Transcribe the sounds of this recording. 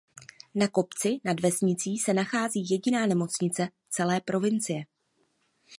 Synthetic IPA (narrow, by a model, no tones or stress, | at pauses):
nako̞pt͡sɪnadvɛsɲɪt͡siːsɛnaxaːziːjɛɟɪnaːnɛmo̞t͡sɲɪt͡sɛ | t͡sɛlɛːpɾo̞vɪnt͡sɪjɛ